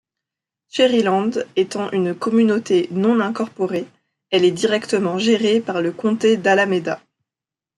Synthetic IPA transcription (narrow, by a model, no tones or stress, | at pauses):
ʃeʁilɑ̃d̪et̪ɑ̃ʔynkɔmynot̪enɔ̃nɛ̃kɔʁpɔʁe | ɛlɛd̪iʁɛkt̪əmɑ̃ʒeʁepaʁləkɔ̃t̪ed̪alamed̪a